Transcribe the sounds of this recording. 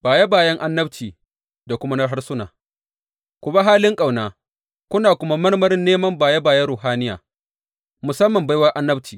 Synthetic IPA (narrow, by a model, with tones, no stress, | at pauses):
b̥aː˨ja˦baː˨jɐ˦ŋʔa˦nːɐ˦bt͡ʃiː˨ | da˨kʷʊ˦ma˦nɐ˦rɦa˦rsʊ˦naː˨ | kʷʊ˨ba˦ɦaː˦lɪ˦ŋkʼa˨wnaː˨ | kʷʊ˦naː˨kʷʊ˦ma˦mɐ˦rmɐ˦ɾɪ˦nːeː˦mɐ˦mbaː˨ja˦baː˨jɐ˦ɾuː˨ɦaː˦nɪ˦ja̰ː˨ | mʊ˨sɐ˦mːɐ˨mba˦jwɐ˦ʔa˦nːɐ˦bt͡ʃiː˨